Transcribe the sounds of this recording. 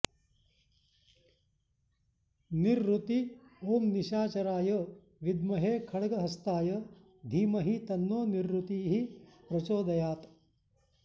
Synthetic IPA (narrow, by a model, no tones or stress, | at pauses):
niɾːut̪ioːmniʃaːt͡ʃɐɾaːjɐ | ʋid̪mɐɦeːkʰɐɽɐɡɐɦɐst̪aːjɐ | d̪ʱiːmɐɦit̪ɐnːoːniɾːut̪iːɦipɾɐt͡ʃoːd̪ɐjaːt̪